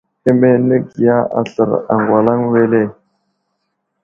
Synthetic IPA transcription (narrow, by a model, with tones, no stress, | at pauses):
e˦me˦nə˦ɡja˦a̰˨ɬə̰˨ɾa̰˨ŋɡwa˨la˦ŋwe˦le˦˨